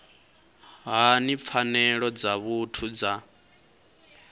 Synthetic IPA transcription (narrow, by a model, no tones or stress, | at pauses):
ɦanip̪fʰanɛɺɔd͡zaβutʰud͡za